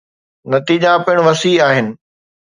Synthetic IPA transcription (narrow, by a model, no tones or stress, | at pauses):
nɐt̪iːd͡ʑapɪɪɽ̃ʋɐsiaːɦɪnɪ̆